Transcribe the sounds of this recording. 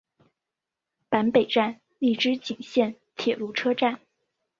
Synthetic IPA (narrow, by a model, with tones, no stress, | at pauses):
pa˧˥npe˨˩ɪʈ͡ʂa˥˧n | li˥˩ʈ͡ʂɻ̩˥t͡ɕi˨˩ŋɕjɛ˥˩n | t̪ʰjɛ˨˩lu˥˩ʈ͡ʂʰɤ˥ʈ͡ʂa˥˩n